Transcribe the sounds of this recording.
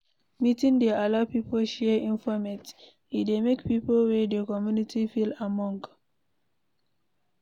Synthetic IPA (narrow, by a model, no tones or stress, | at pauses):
mitĩŋdɛalapipolʃɛĩnfɔmɛt | idemekpipolwɛdəkɔmjunitʰifilamɔ̃ŋk